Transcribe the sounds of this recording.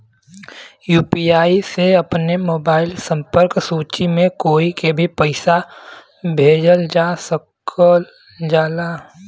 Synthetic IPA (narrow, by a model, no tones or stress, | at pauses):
juːpiaːiseɐpnemoːbaːɪlsə̃mpəɾksuːt͡ʃimẽkoːikebʱipəɪsa | bʱeːd͡ʒəld͡ʒaːsəkʰə | d͡ʒaːlaː